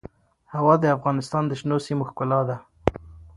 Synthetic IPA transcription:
hawɑd̪əafɣɑnɪst̪ɑnd̪əʃnosimoxkʊlɑd̪a

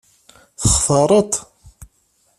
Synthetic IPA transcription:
θəχfəɾˤət̪ˤ

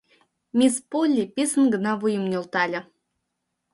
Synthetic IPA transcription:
mʲispolʲːipʲesə̆nɡə̆nɑβujə̆mnʲolˠt̪ɑlʲə̆

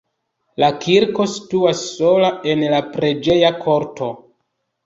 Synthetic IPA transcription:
lakʰiɾko̞si̥tuasːo̞lae̞nlapɾe̞d͡ʒe̞jakʰo̞ɾtʰo̞

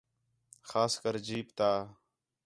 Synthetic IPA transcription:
xaːskəɾd͡ʒiːpt̪aː

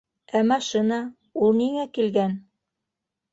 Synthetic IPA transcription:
æmɑʃinɑ | ulˠniŋækilɡæn

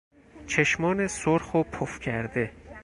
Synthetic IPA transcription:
t͡ʃʰe̞ʃmɒːnesoɾxopʰofcʰæɾd̪e̞

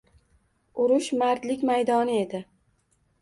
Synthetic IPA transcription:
ʊɾʊʃmaɾd̪lɪkʲmajd̪ɒnɪe̞d̪ɪ

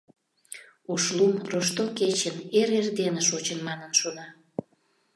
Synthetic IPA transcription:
uʃlumroʃt̪oket͡ɕəneɾerd̪enəʃot͡ɕənmɑnənʃonɑ

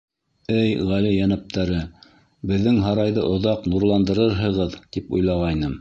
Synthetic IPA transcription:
ɘjʁælijænæp̚t̪æɾɘ | bɘ̆ðːɘŋɦɑɾɑjðɤʔŏðɑqnuɾlˠɑnd̪ɤ̆ɾɤɾɦɤ̆ʁɤðt̪ipṵjlˠɑʁɑjnɤm

